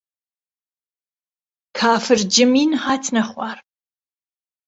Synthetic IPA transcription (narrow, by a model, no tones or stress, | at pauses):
kʰaːfɨrd͡ʒɪmiːnħaːtʰnɐχʷɑːr